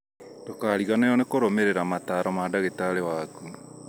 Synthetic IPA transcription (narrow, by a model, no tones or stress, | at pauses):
dokaːɾiɣanajɔnekoɾomeɾeɾamataːɾɔmaːdaɣetaɾewaku